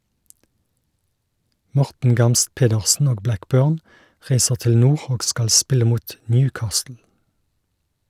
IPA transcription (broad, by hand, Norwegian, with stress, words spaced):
ˈmɔʁtn̩ ˈɡɑmst ˈpeːdəʁsn̩ ˈoːɡ ˈblækˌbøːʁn ˈʁæɪsəʁ ˈtɪl ˈnuːʁ ˈoːɡ ˈskɑl ˈspɪlə ˈmuːt ˈnjʉːˌkɑːstl̩